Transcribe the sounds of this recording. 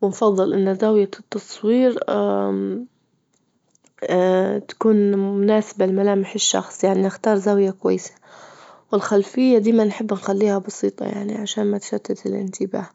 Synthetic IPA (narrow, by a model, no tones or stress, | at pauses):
wɪnfɑðˤːɨlʔɪnːzawjat̪ːɑsˤwiːɾ | t̪ḁkuːnmʊnaːsɪbalmalaːmɪħɪʃːɑ̰xsˤjaʕniʔɪxt̪ɑːɾˤzawjakʊwa̰jːɪsḁwɪlxalfɪjːad̪iːmanħɪbːɪnxalːiːhabɑsiːt̪ˤɑ̰ja̰ʕnḭʕaʃaːnmat̪ʃat̪ːat̪ɪlʔɪ̰nt̪ʰɪba̰ːh